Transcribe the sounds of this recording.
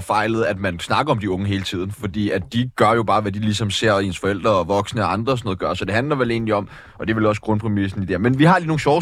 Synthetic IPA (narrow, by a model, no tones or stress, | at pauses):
fɑ̈ɪləð̞̩ˠæd̥mænsnɑ̈ɡ̥ɐɒ̽md̥iɔ̽ŋəɦe̝ːlət͡sʰið̰ˠn̩fɒ̽d̥ḭːædd̥iɡ̥ɶɐjo̝b̥ɑ̈ːʋæd̥ilisɒ̽mse̝ɐ̰ensfɒ̽el̰d̥ʁɐɒʋɒ̽ɡ̥snəɒɑ̈nd̥ʁɐsno̽ːð̩ˠɡɶɐsɒ̽d̥e̝ɦænlɐʋele̝̰ːnliɒ̽m | ʔɒ̽d̥e̝ʋe̝lɒ̽sɡ̥ʁɔ̽npʰʁɛmis̬n̩id̥eɐmenʋiɦɑ̈liːno̝ːŋ̩ɕɒʊ